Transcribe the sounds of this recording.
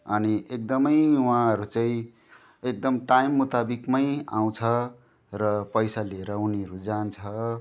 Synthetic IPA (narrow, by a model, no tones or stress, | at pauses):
ʌniek̚d̪ʌmʌjwãʌɾut͡saĩ | ek̚d̪ʌmʈajmːut̪abikmʌjaw̃t͡sʰʌ | rʌpʌjsaleɾʌuniʌɾud͡zant͡sʰʌ